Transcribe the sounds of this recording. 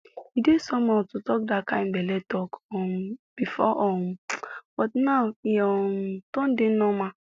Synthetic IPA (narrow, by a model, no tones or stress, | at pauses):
idesɔmɔ̃tutɔk̚dakãɪ̃mbɛlɛtɔkɔmb̥ifɔ̰ʔɔmb̥ɔtnaʊiɔmtɔ̃n̩denɔ̃mã